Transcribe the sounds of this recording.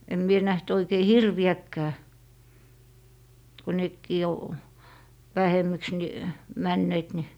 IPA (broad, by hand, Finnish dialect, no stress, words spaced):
em mie næht oikei hirʋiækːæː ko nekːiː o ʋæheməks ni mænːeːt ni